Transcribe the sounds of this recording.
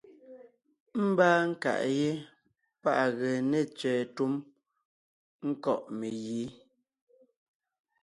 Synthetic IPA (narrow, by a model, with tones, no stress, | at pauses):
m̩˦baː˦ŋ̩˦ka̰˨ʔje˦ | pa˦ʔɣɛ˨nɛ˨t͡ʃɛː˨tu˦m | ŋ̩˦kɔ˦˨ʔme˨jiː˨˦